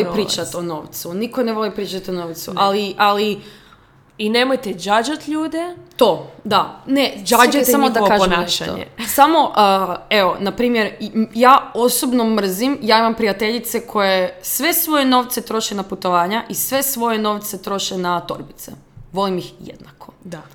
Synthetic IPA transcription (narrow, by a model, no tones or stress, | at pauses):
olipɾiːt͡ʃat̪ono̞ːʋt̪sunikoneʋo̞lipɾiːt͡ʃat̪ionoːʋt̪sṵʔaliʔali | inemojt̪ed͡ʒad͡ʒat̪ʎuːd̪et̪oːd̪aned͡ʒad͡ʒaamooaʒonaʃa̰ɲḛsamo̞ʔəeonapɾiːmjeɾjaːosobno̞mr̩zimjaːimampɾijat̪eʎit̪se̞kʰo̞jesʋe̞sʋo̞je̞no̞ːʋt̪se̞t̪ɾo̞ʃenaput̪o̞ʋaːɲaʔisʋe̞sʋo̞je̞no̞ʋt̪se̞t̪ɾo̞ʃenat̪o̰ɾbit̪sḛ | ʋo̞limixjḛd̪nakʰod̪a